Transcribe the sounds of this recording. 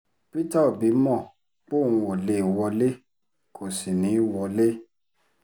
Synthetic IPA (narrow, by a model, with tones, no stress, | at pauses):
pi˦ta˦˨bi˨˦mɔ̃˦˨ | k͡po˦˨nũ˧o˨le˨wɔ˧le˦ | kʰo˨si˨nĩ˨˦wɔ˧le˦